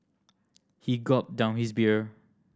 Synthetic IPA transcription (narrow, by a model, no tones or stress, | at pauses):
hiɡɔp̚dãʊ̃nhisbiɹ